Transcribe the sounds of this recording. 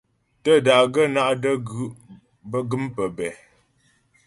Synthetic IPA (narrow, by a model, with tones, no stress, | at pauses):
tə˦˨da˨ɡə˦na˦ʔdə˦ɡ | bə˦ɡə˦mpə˨bɛ˨